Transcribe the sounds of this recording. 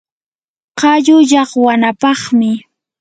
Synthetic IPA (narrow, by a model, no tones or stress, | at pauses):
qɑʎʊʎɑχwanapɑχmɪ